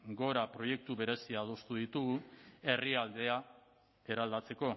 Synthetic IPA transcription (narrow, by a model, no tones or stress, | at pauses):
ɡo̞ɾapɾo̞je̞k̚t̪uβe̞ɾe̞siað̞o̞st̪uð̞it̪uɣue̞riald̪e̞a | e̞ɾald̪at͡se̞ko̞